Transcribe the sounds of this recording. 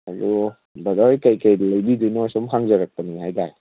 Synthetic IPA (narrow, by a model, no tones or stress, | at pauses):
aɾu | bɐdajkajkəjləjbidinɔjsɔmkʰaŋzəɾak̚pəniɦajdaj